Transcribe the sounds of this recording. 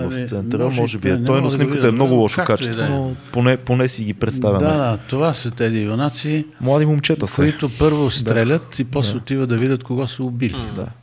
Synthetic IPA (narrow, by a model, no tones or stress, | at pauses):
vɐftsɛnt̪ɾəmɔʒɛbiɛnɔjnosnɛəɛmnɔɡʊlˠɔʃokat͡ʃɛ̥svonoponɛponɛsiɡipɾɛt̪st̪avʲəd̪ad̪at̪ovasət̪ɛzionat̪siːmlˠad̪imomt͡ʃɛt̪əssoit̪ʊpɤɾvost̪ɾɛlʲət̪ipɔsot̪ivəd̪ɐvidʲət̪koɡɔsəʊbilid̪a̰